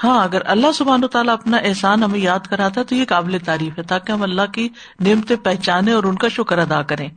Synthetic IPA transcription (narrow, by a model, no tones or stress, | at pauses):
hãːɐɡəɾɐlːaɦsʊbʱaːnoːt̪aːlaɐpnaʔɛɦsaːnɦɐmẽjaːd̪kɐɾaːt̪aɦɛt̪ojekaːblet̪aːɾiːfɦɛt̪aːkeɦɐmɐlːaɦki | neːmt̪epɛɦt͡ʃaːnẽɔːɾʊnkaʃʊkəɾɐd̪aːkɐɾẽː